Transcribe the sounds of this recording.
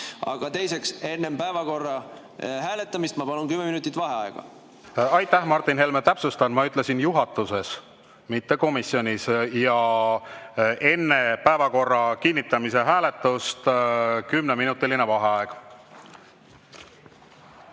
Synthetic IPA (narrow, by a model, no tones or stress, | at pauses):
ɑ̰ɡ̥ɑt̪e̞jse̞kse̞nːempæevɑko̞rːɑ | ɦæːle̞t̪ːˑɑmist̪mɑpɑnunkymːeminut̪ːˑit̪vɑɦeɑeɡ̥ɑ̰ | ɑjt̪ˑːæhmɑrt̪ːˑinɦe̞lmet̪æpsust̪ɑnmɑyt̪ˑle̞sinjuɦɑt̪ːˑuse̞s | mit̪ːe̞ko̞misjo̞nʲisjɑ | ʔe̞nːe̞pæevɑko̞rːɑkinʲːit̪ːˑɑmise̞ɦæːle̞t̪ːˑust̪kymneminut̪ːˑiline̞vɑɦe̞ɑeɡ̥